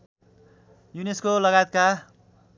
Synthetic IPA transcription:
juneskolʌɡajet̪̚ka

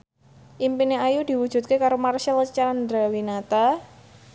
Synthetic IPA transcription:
ʔimpineajud̥i̤wu̥ʒ̥ṳt̪̚kekaɾomarʃalt͡ʃaandɾawinat̪a

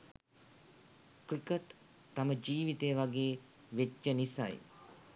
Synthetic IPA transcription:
kɾikəʈ | t̪aməd͡ʒiːʋit̪ejəʋaɡeː | ʋet͡ʃːənisa̰j

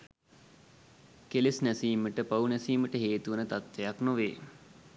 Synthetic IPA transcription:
kelesnɛsiːməʈəpaunɛsiːməʈəɦeːt̪uʋənət̪at̪ʋejaknoʋeː

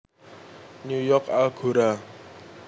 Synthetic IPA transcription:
nujɔkalɡ̥uɾa

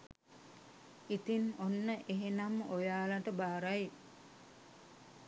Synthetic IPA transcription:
it̪inonːəʔeɦenamojaːlaʈəbaːɾaj

